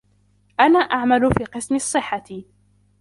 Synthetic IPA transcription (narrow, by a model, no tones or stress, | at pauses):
ʔanaːʔaʕmalʊfiːqɨsmɪsˤːɨħːa